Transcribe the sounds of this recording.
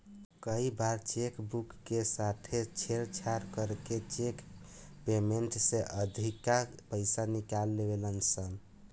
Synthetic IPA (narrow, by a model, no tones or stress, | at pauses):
kəibaɾt͡ʃekbukːesat̪ʰet͡ʃʰeɾt͡ʃʰaɾkəɾket͡ʃek | pemeɳʈseʔəd̪ʱikapəɪsanikalːebelənsəm